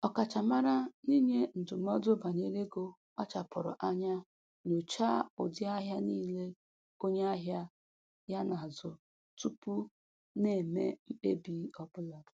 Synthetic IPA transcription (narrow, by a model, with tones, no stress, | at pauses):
ɔ˨ka˨t͡ʃa˨ma˦ɾa˦ni˦ɲe˦n̩˨dʊ˨m̩˦ɔ˦dʊ˦ba˨ne˦ɾe˦ɡo˨ | k͡pa˦t͡ʃa˨pʊ˨ɾʊ̰˨ʔa˦ɲa˦ | no˨t͡ʃa˦ʊ̰˨dɪ˦a˦ɦja˦niː˦le˦ | o˦ɲe˦a˦ɦja˦ | ja˦na˨zʊ˨ | tu˦pu˦ | ne˨mḛ˦m̩˦k͡pḛ˦bi˦ɔ˦bʊ˦la˨